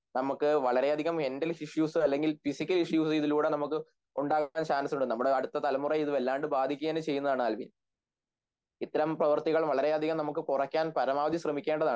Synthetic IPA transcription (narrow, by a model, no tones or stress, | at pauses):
nɐmukːɨʋɐɭɐɾe̞ɐd̪ʱiɣɐmhendɐliʂjuːsɨɐlːe̞ŋɡilfisikʲːɐliʂjuːsɨiðiluːɽenɐmukːɨ | uɳɖaːkaːnsaːnɐsuɳɖɨnɐmːuɽeɐɽut̪ːɐt̪ɐlɐmurɐiðɨʋelːaːɳɖɨbaːd̪ʱikʲːuɣeːnɨt͡ɕe̞jːunːɐðaːɳɨɐlʋḭn | it̪ːɐɾɐmprɐʋɐrt̪iɣɐɭmʋɐɭɐɾe̞ɐd̪ʱiɣɐmnɐmuk̬ːɨkurɐkʲːaːnpɐɾɐmaːʋɐd̪ʰʱiɕrɐmikʲːeːɳɖɐðaːɳɨ